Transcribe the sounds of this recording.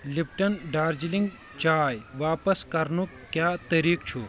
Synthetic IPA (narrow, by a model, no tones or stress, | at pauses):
lipʈɐnɖaːɾd͡ʒiliŋɡ | t͡ʃaːjʋaːpɐskɐɾnu | kjaːt̪ɐɾiːkt͡ʃʰu